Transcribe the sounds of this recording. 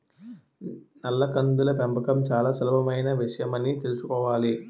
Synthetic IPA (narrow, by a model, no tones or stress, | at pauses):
nɐlːɐkɐnd̪ulɐpembʱɐkɐmt͡ʃaːlaːsɐlɐbʱɐmɐjnɐʋiʂɐjɐmɐnːit̪e̞lusukɔːʋaːli